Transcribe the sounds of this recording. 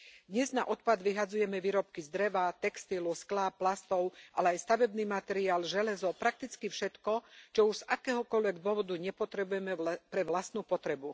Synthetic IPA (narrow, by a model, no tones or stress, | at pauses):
d̪ɲɛzna̰ʔɔt̪̚pad̪ʋiɦad͡zujɛmɛʋiːɾɔp̚kizd̪ɾɛʋat̪ɛkst̪ilusklapːlast̪ɔʊʔalɛajst̪aʋɛbniːmat̪ɛɾiaːlʒɛlɛzɔpɾak̚t̪it͡skifʃɛt̪kɔt͡ʃɔuʒz̥akɛːɦɔkɔlʋɛɡd̪ʊɔʋɔd̪uɲɛpɔt̪ɾɛbujɛmɛpɾɛʋlast̪nupɔt̪ɾɛbu